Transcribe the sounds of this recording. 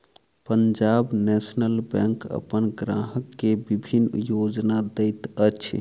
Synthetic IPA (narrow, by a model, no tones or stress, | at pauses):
pəɲd͡ʒabnɛsnəlbɛ̃ŋkə̰pənɡɾaɦəkːebibʱinjod͡ʒnad̪ɛjt̪ət͡ʃʰ